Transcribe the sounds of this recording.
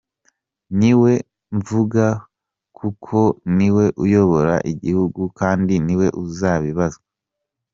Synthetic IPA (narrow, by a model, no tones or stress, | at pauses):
niwe̞ | ɱvuɡa | kʰukʰo̞niwe̞ʔujo̞βo̞ɾa̰ʔiɟihuɡukaːndiniwe̞ʔuzaːβiβazɡa